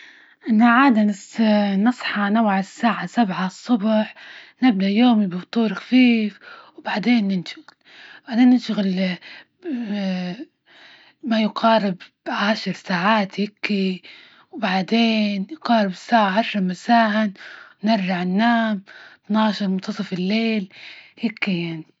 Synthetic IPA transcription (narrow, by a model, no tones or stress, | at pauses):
ʔɪnːaʕaːd̪a | nɨsˤħɑnawʕɪsːaːʕasabʕasˤːʊbħnɪb̚d̪aʔjoːmibɪbt̪ˤuːɾxḁfiːfwbaʕd̪eːnːɪnʃʊɣɪl | b̥aʕd̪eːnːɪnʃʊɣɪl | majʊqɑːɾɪb | ʕaːʃɑɾˤsaːʕaːt̪hɪkːi | wbaʕd̪eːnjʊqɑːɾɪbɪsːaːʕaʕɑʃɾˤɑmasaːhɪnnɪɾʒaʕɪnːaːmt̪nɑːʃɑɾˤmʊnt̪ɑsˤɑfɪlːeːlhɪkːijaʕni